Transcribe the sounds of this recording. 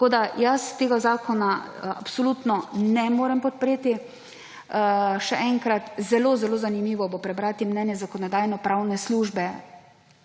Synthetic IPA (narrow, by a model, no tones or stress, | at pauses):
t̪akoːd̪ajast̪eːɡazaːkɔnaa̰psɔlut̪nɔnɛmoːɾɛmpɔt̪̚pɾeːt̪i | ʃɛʔɛŋkɾat̪zɛlozɛloːzanimiːʋɔbopɾɛbɾaːt̪imnɛnjɛzakɔnɔd̪aːjnɔpɾawnɛsluːʒbɛ